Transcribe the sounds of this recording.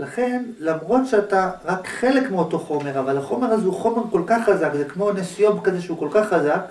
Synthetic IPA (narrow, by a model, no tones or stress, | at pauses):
laχe̞nlamʁo̞tʃeataʁakχe̞lekmeo̞to̞χo̞me̞ʁavalaχo̞me̞ʁazeuχo̞meʁko̞lkaχːazakzekmo̞nesujo̞bkazeʃeuko̞lkaχːazak